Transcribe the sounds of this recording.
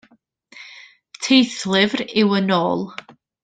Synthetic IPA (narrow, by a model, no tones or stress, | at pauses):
tʰejθlˠɪvrɪwənoːlˠ